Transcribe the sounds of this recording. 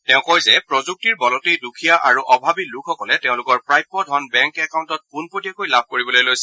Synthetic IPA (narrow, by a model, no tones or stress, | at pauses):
tɛʊ̃kɔjzɛpɹɔzuk̚tiɹbɔlɔtidukʰijaʔaɹuʔɔbʱabilukʰɔkɔlɛtɛʊ̃lʊkɔɹpɹajpːɔdʱɔnbɛŋkɛkaw̃ntɔt̚kunpotijakojlab̚ʱkoɹibɔlojlojsɛ